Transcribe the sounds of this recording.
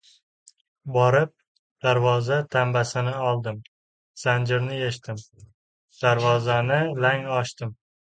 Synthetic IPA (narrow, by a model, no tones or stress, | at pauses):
bɒɾɪp̚ | d̪̥aɾvɒzat̪ʰambasɪnɪɒlˠd̪ɪm | z̥and͡ʒɪɾnɪjeʃt̪ɪm | d̪̥aɾvɒzanɪlaŋɒʃt̪ɪm